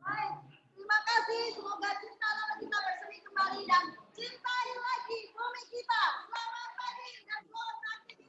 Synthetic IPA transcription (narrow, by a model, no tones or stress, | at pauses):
bajəimakasihsəmoɡat͡ʃint̪alamakit̪abərsəmikəmbalidant͡ʃint̪ailaɡimomikit̪alamapalidanslawat̪̚lakii